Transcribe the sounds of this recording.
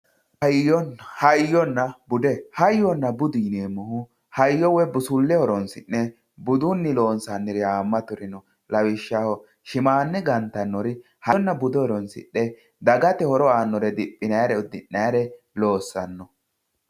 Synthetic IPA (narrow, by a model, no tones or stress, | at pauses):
ɔnhɐjɔnːɐbʊd̪ɛhɐjɔnːɐbʊd̪iːneːmːɔhʊ | hɐjːɔwɛbʊsʊlːɛhɔɾɔnsɪnːɛ | bʊd̪ʊnːɪlo̞ːnsanːɪɾɛaːmːɐt̪ʊɾɪnɔ | lɐwɪʃːahɔ | ʃɪmaːnːɛɡɐnt̪ːɐnːɔɾɪ | hɐnːɐbʊd̪ɛhɔɾɔnsɪ̰ʔːɛ | d̪ɐɡɐt̪ɛhɔɾɔaːnːɔɾɛd̪ɪpʼːɪnɐjaɾɛʊd̪ːɪnːɐjɐɾɛ | lo̞ːsːɐnːɔ